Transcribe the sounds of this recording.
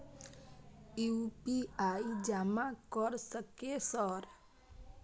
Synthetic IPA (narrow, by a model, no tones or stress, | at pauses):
uupiaid͡ʒamakəɾsəkesəɾ